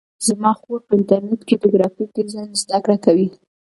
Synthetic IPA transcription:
z̥mɑxoɾpəɪnt̪aɾnɛt̪ked̪əɡɾɑfikezanzd̪akɽakawi

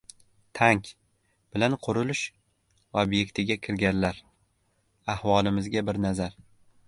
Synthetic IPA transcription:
t̪ʰaŋkʲ | b̥ɪlanqʰʊɾɪlɪʃ | obje̞kʲt̪ʰɪɡʲakʲʰɪɾɡʲanlaɾ | ahvɒlˠɪmɪzɡʲabɪɾnazaɾ

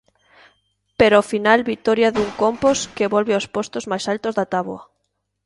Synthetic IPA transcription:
peɾoafinalβit̪ɔɾjaðuŋkomposkeβolβeospost̪ozmajsalt̪ozðat̪aβwɐ

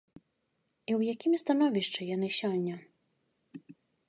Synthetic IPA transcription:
iwjakʲimst̪an̪ɔvʲiʂt͡ʂɨjanɨsʲɔnʲːɐ

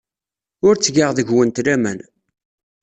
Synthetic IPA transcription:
ʊɾt͡sːʝəʁðəʝwənt̪læmæ̰n

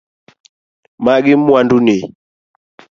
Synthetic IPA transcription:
maɡimwanduni

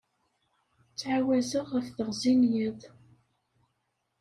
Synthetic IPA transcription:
t͡sːʕawæzəʁəfθəʁzinjəðˤ

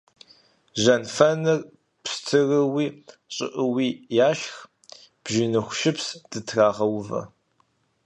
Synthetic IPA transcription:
ʒɐnfɐnɨr | pstʰɨrɨwiːɕʼɪ̰ʔəwiːjaːʃx | b̥ʒɪnɨxʷʊʃɪpsd̥ɨtʰraːʁɐwvɐ̰

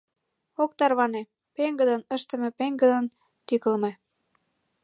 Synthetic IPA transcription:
okt̪ɑrβɑne | peŋɡəd̪ə̆nəʃt̪ə̆mĕpeŋɡə̆d̪ən | t̪ykə̆lme

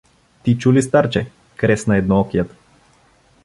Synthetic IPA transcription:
t̪it͡ʃulist̪aɾt͡ʃɛ | kɾɛsnaɛd̪nɔɔkjat̪

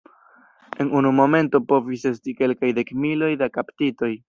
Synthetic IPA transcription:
e̞nunumo̞me̞nto̞po̞vise̞stike̞lkajde̞kmilo̞jdakaptito̞j

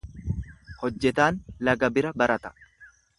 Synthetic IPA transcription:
hɔd͡ʒːɛt̪aːnlɐɡɐbɪɾɐbɐɾɐt̪ɐ̥

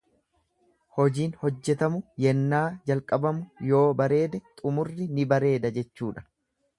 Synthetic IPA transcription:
hɔd͡ʒiːnhɔd͡ʒːɛt̪ɐmʊjɛnːaːd͡ʒɐlkʼɐbɐmʊjo̞ːbɐɾe̞ːd̪ɛt̪ʼʊmʊrːɪnɪbɐɾe̞ːd̪ɐd͡ʒɛt͡ʃːuːᶑɐ̥

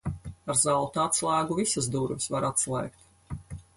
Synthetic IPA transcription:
aɾzalt̪uat̪slˠaːɡuvisazd̪uɾvʲisvaɾat̪slˠɛ̰ːk̚t̪

